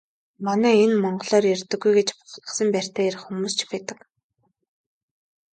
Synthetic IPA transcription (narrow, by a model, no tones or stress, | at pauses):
manæːenmɔɴɢɞ̆ɮɔːrjerʲt̪ɘ̆ɡːujɡet͡ɕpʊ̥χ̆ʰt̪ə̆sə̆mpær̥ʲt̪æːeɾɘ̆χxumuːst͡ɕ̆pæt̪ə̆k